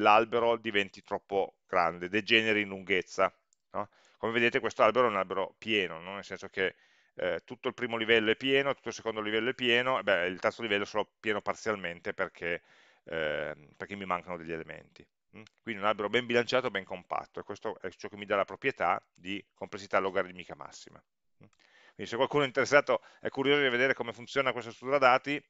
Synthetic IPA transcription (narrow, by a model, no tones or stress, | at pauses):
lalbeɾod̪ivɛnt̪it̪ɾɔpːoɡ̥ɾa̰nd̪ed̪ed͡ʒɛːneɾiinluŋɡet̪sːa | nɔ | komeved̪eːt̪ekwest̪oalbeɾoɛunalbeɾopjɛːnononːelsɛnsok̟e | t̪ːut̪ːoilpɾiːmolivɛlːoɛpːjɛːnot̪ut̪ːolse̥kond̪olivɛlːoɛpːjɛːnoebːɛilt̪ɛrt̪solivɛlːosoːlopjeːnopart̪sjalment̪eperkʰe | perkemːimaŋkanod̪eʎːielemḛnt̪i | kwind̪inõnabeɾobɛmbilant͡ʃaːt̪obɛŋkompa̰t̪ːoekwest̪oʔɛt͡ʃɔkːemːid̪alapɾopɾjet̪a̰ | d̪ikomplesːit̪aloɡaːɾed̪imiːkama̰sːima̰ | kwind̪isekwalkuːnoɛint̪eɾesːaːt̪oɛ̰kːuɾjoːzod̪ived̪eːɾekomefunt̪sjoːnakwest̪ast̪uɾad̪aːt̪i